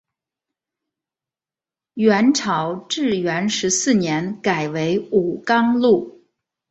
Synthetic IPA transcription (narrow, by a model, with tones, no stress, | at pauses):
ɥɛ˧˥nʈ͡ʂʰɑ˨˩ʊʈ͡ʂɻ̩˥˩ɥɛ˧˥nʂɻ̩˧˥sɹ̩˥˩njɛ˧˥nka˨˩ɪwe˧˥ɪu˨˩kɑ˥ŋlu˥˩